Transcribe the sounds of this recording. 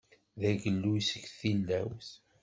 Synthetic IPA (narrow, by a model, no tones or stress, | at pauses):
ðæɡəlːusəɡθilːæwθ